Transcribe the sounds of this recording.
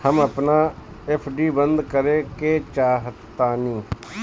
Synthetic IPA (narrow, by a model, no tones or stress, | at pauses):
həməpnaː | ɛpʰɖiːbənd̪kəɾeːkeːt͡ʃaːɦt̪ːaːnĩː